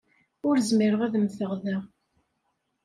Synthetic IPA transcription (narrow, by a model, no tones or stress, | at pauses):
ʊɾzmiɾəʁæðəmθəʁðæ